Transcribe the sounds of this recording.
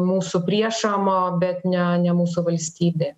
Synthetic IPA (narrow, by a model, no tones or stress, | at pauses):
muːsʊpʲɾʲiɛʃomoːbʲɛt̪nʲɛnʲɛmuːsʊʋɐlʲsʲt̪ʲiːbʲe